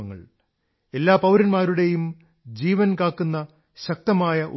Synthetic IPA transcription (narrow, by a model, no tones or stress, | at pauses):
ɐŋːɐ̰ɭ | e̞lːaːpɐwɾɐnmaːɾuɽe̞jum | d͡ʑiːʋɐnkaːkːunːɐ | ɕɐk̚t̪ɐmaːjɐʔṵ